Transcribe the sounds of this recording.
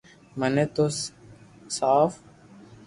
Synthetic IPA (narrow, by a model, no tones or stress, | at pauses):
məneːt̪os | saːf